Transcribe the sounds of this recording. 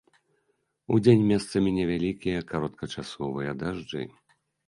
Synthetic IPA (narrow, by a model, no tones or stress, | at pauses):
ud͡zʲenʲmʲɛst̪sɐmʲinʲɛvʲalʲikʲijɐkaɾɔt̪̚kʰɐt͡ʂasɔvɨjɐd̪aʐd͡ʐɨ̰